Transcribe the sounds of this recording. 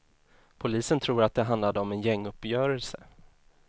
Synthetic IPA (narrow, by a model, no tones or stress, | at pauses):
pʰʊliːsənt̪ʰɾuːɾat̪̚d̪ɛɦand̪lad̪əɔmɛnjɛŋːɵpːjœːɾɛlsə